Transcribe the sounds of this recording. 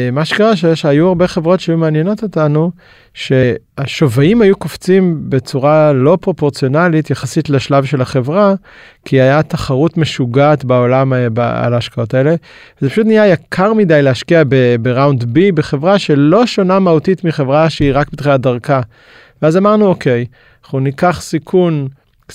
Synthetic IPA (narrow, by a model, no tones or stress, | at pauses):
maʃekaʁaʃejeʃajuaʁbeχe̞vʁo̞tʃeajumeanjeno̞to̞tanu | ʃe̞aʃovaimhajukoft͡simbe̞t͡suʁalo̞pʁo̞po̞ʁt͡sijo̞nalitjaχasitleʃlavʃelaχe̞vʁa | kʰiajataχaʁutme̞ʃuɡaːtbao̞lamba̰a̰laːʃkao̞tae̞le̞vezepaʃut̬nijajakʰaʁmidajlehaʃkiabebeʁawndbibeχe̞vʁaʃe̞lo̞ʃo̞namautitmiχe̞vʁaʃeiʁakbit̪χadaʁka | veazamaʁnuo̞kʰe̞j | χunikaχsikʰun